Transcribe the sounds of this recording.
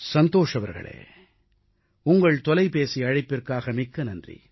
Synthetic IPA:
sɐnd̪oːʂɐʋɐ̰ɾɣɐ̰ɭḛː | ʊŋɡɐɭt̪ɔlɐɪpeːsiɐɻɐɪpːɪrkaːɣɐmɪkːɐnɐndrḭ

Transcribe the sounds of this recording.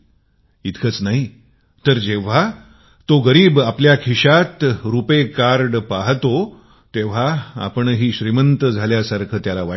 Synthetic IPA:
it̪kʰət͡snaɦi | t̪əɾd͡ʑeʋ̤a | t̪oɡəɾiːbapljakʰiɕat̪ɾupekaɾɖpaɦt̪o | t̪eʋ̤aa̰pəɳɦiːɕɾimənt̪əd͡zʱaljasaɾkʰəːt̪jalaʋa

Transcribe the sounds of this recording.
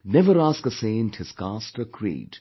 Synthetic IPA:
nɛvəɾaːskəsẽɪə̃nthɪz̥kastəkʰɹḭːd

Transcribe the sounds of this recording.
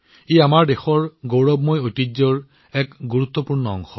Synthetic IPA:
ejamaɹdexɔɹɡowɹɔbmojojtizɔɹ | ɛkɡuɹut̪ːɔpuɹnɔɔ̰ŋxɔ

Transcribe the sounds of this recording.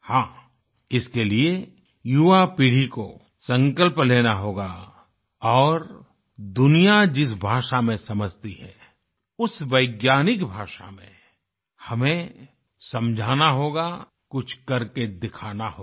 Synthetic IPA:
hãː | ɪskelie | juʋapiːɽ̤iko | sɐ̃ŋkəlpleːnaɦoːɡa | ɔːɾ | d̪ʊnijad͡ʒɪs̬bʱaːʃamẽsɐməd͡ʒʱt̪iɦɛ̰ː | ʊsʋəɪɡjaːnɪkbʱaːʃa̰mḛ̃ | hɐmẽ | sɐ̃md͡ʒʱaːnaɦoːɡa | kʊt͡ʃʰkɐɾked̪ɪkʰaːnaɦoː

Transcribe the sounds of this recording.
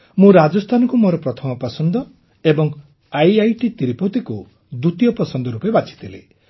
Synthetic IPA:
mũɾad͡ʒɔst̪ʰanɔkumoɾɔpɾɔt̪ʰɔmɔpasɔnd̪ɔ | ebɔŋ | ajajʈit̪iɾipot̪iku | d̪ut̪ijɔpɔsɔnd̪ɔɾupebat͡ʃʰi̥t̪ʰilḛ

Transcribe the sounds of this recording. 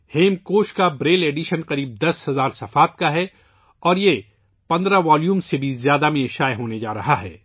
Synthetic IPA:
heːmkoːʃkabɾeːleːɖiʃənqɐɾiːb̚d̪ɐshɐzaːɾsɐfaːt̪̚kaɦɛ | ɔːɾje | pɐ̃nd̪ɾaʋaːljuːmsebʱizjaːd̪amẽʃaːjɦoːned͡ʒaːɾɐɦaɦɛ̰ː

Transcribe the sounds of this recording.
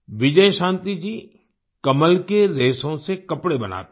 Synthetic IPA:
ʋɪd͡ʒəjʃãːnt̪id͡ʒiː | kɐməlkeɾeːsõsekɐpɽebɐna̰ːt̪

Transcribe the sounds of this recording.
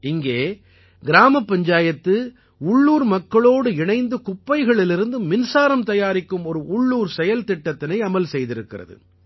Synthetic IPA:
ɪŋɡeː | ɡɪɾaːmɐpːɐɲd͡ʒaːjɐt̪ːɯ | ʊɭːuːɾmɐkːɐɭoːɽɯɪɳɐɪnd̪ɯkʊpːɐɪɣɐɭɪlɪɾɯnd̪ɯmɪnsaːɾɐmt̪ɐjaːɾɪkːɯmɔɾɯʔʊɭːuːɾsɛjɐlt̪ɪʈːɐt̪ːɪnɐɪɐmɐlsɛjðɪɾɯkːɪ̰rɐ̰ðɯ̰

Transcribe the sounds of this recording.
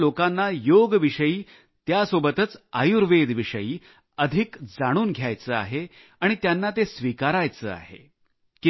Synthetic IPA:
lokanːajoɡʋiʂəiː | t̪jasobət̪ət͡sajuɾʋed̪ʱʋiʂəjiː | əd̪ʱikd͡zaɽ̃uːnɡʱjajt͡səa̰ɦe | aɽ̃it̪janːat̪esʋikaɾajt͡səːa̰ɦḛ | ki

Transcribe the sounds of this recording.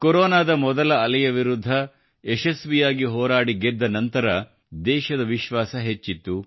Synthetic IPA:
koɾoːnaːd̪ɐmɔd̪ɐlɐːlɐjɐʋiɾud̪ʱːɐ | eʃesʋijaːɡiɦɔːɾaːɽiɡed̪ːɐnɐnt̪ɐɾɐ | d̪ɛːʃɐd̪ɐʋiʃʋaːsɐɦet͡ʃːit̪ːu

